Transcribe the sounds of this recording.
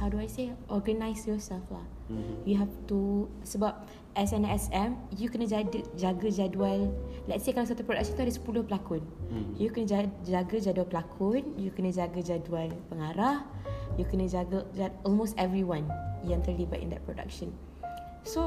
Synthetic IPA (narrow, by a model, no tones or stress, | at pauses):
hawduajseʔɔɡənajsjɔsɛlfla̰ | juɦɛft̪u | səbap̚ | ʔɛsɛ̃nɛsɛ̃mjukənə̃d͡ʒadəd͡ʒaɡəd͡ʒaduallɛtsekalas̬at̪upɾoda̰k̚ʃə̃nt̪uadəsə̥pulʊhpəlakʊnjukənə̃d͡ʒad͡ʒaɡəd͡ʒadualpəlakʰʊnjukənəd͡ʒaɡəd͡ʒadualpəŋaɾahjukənə̃d͡ʒaɡəd͡ʒaɔlmostɛvɹiwãnjɛ̃nt̪əliba̰ʔḭnd̪ɛ̰t̚pɹoda̰k̚ʃə̃n | so